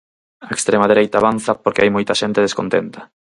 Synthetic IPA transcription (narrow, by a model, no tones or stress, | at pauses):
aekst̪ɾemaðeɾejt̪aːβan̟θapoɾkɪajmojt̪ɐʃent̪eð̞eskont̪ent̪ɐ